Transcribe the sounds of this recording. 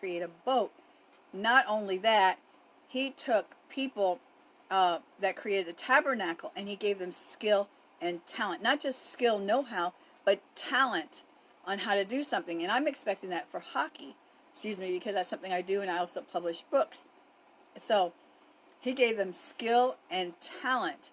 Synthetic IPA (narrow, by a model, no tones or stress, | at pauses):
kʰɹ̥ieɪɾɨboʊt̚ | nəɾõʊ̃nliðæt̚ | hitʰʊk̚pʰipl̩ˠ | ðɨt̚kʰɹ̥ieɪɾɨd̪̚ɨtʰæbə˞nækl̩ˠɨ̃niɡeɪvðɨ̃mskɪlˠ | ɨ̃ntʰælˠə̃nnːət̚d̥ʒ̥ʌstskɪlˠnoʊɦaʊ | b̥ʌtʰælˠɨ̃nt | ʔn̩ɦaʊɾɨdɨsʌ̃mθɪ̃ŋɨ̃nãɪ̃mɨkspɛk̚tɪ̃ŋðɨtfə˞hɑki | skjʉzmibɨkʰʌzðætsʌ̃mθɪ̃ŋaɪdɨɨ̃ñaɪɔlˠsoʊpʰʌblɨʃb̥ʊks | soʊ | iɡeɪvðɨ̃mskɪlˠɨ̃ntʰælˠə̃nt